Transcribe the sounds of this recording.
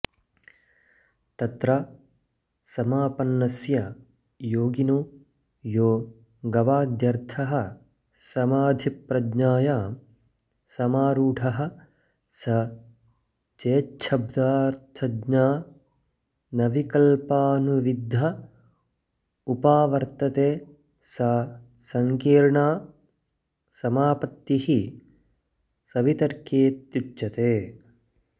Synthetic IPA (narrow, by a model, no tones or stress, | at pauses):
t̪ɐt̪ɾɐ | sɐmaːpɐnːɐsjɐ | joːɡinu | joː | ɡɐʋaːd̪jɐɾt̪ʰɐɦɐ̆ | sɐmaːd̪ʱipɾɐdɲaːjaː | sɐmaːɾuːʈʰɐɦɐ̆ | sɐ | t͡ʃeːt͡ʃʰɐbd̪aːɾt̪ʰɐd͡ʒɲaː | nɐʋikɐlpaːnuʋid̪ʱːɐ | upaːʋɐɾt̪ɐt̪eː | sɐ | sɐŋkiːɾɳaː | sɐmaːpɐt̪ːihi | sɐʋit̪ɐɾkeːt̪jut͡ʃt͡ʃɐt̪eː